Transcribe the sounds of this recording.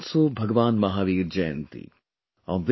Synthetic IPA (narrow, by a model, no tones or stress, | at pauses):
sobʱɐɡʋaːnmɐɦaːʋiːɾd͡ʒɛːə̰̃nt̪ḭ | ɔːʋ